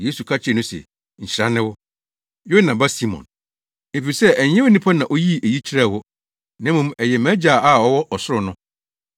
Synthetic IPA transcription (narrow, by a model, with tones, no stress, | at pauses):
je˦su˨kʰa˦t͡ɕʰɪ˦ɛ˨nʊ̃˦sɛ̰˨ | ɲ̩˨t͡ɕɪ˨ɾã˦nːɪ̃˦wʊ˦ | jʊ˦nã˨ba˦si˦mɔ̰̃˨n | e˨fi˨sɛ˦ʔæ˨ɲɛ̃˦e˦nĩ˦pʰa˦nã˨ʔo˦ji˦e˨ji˦t͡ɕʰi˦ɾa˦˨hʊ˦ | nɛ̃˦mũ˦mɛ˨jɛ˨mæ̃˦d͡ʑaː˨a˦˨ɔ˨wɔ˦ʔɔ˨sʊ˦ʊ˨nʊ̃˦